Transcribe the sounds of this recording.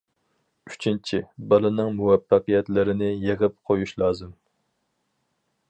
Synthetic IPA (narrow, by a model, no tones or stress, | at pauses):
y̥t͡ʃʰint͡ʃʰibɑlˠɨnɨŋmuwɛfːæqɨjɛt̪lɪɾɪnɪjeʁəp̚qʰojuʃlˠɑːzɨm